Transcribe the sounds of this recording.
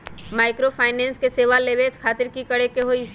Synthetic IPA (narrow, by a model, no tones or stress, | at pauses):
maːɪkɾopʰaːɪnɛ̃ːnskeseːʋaleːʋeːt̪kʰaːt̪ɪɾkikɐɽekeɦoi